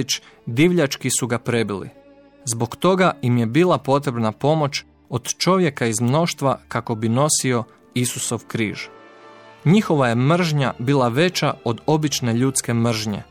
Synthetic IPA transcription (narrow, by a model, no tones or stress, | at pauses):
t͡ʃ | d̪iʋʎat͡ʃkisuɡapɾe̞bilḭ | zbo̞kt̪o̞ɡaimje̞biːlˠapo̞t̪ɾe̞bnapo̞mo̞t͡ʃ | od̪̥t͡ʃo̞ʋje̞kaizmno̞ʃt̪ʋakako̞bino̞sio̞ | isuso̞ʋkɾiːʒ̥ | ɲixo̞ʋaje̞mr̩ʒɲabiːlˠaʋe̞t͡ɕao̞d̪o̞bit͡ʃne̞ʎut̪ske̞mr̩ʒɲe̞̰